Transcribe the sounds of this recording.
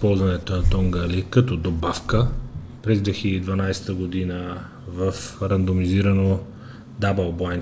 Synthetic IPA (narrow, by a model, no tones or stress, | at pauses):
spɔlˠzvɐnɛt̪ont̪ɔŋɡalikɐt̪ɔd̪obafkə | pɾɛzd̪vɛxild̪id̪vɐnajsɛ̥t̪əɡod̪inə | vəfɾɐnd̪omiziɾəno | d̪abəlˠban